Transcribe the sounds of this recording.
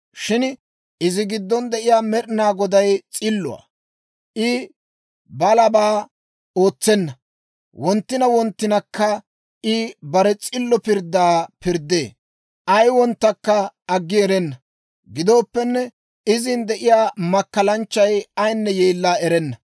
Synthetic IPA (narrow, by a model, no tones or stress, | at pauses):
ʃɪn | ɪzɪɡɪd̪ːɔnd̪ɛʔɪjaːmɛɗɪnaːɡɔd̪ɐjt͡sʼɪlːʊ̰a̰ː | ʔɪ | bɐlɐbaː | o̞ːt͡sːɛnːɐ | wɔnt̪ːɪnɐwɔnt̪ːɪnɐkːɐ | ɪbɐɾɛt͡sʼɪlːɔpɪɾd̪aːpɪɾd̪ḛː | ʔɐjwɔnt̪ːɐkːɐɐɡːɪɛɾɛnːɐ | ɡɪd̪o̞ːpːɛnːɛ | ɪzɪnd̪ɛʔɪjaːmɐkːɐlɐnt͡ʃːɐjɐjnːɛjeːlːaːɛɾɛnːɐ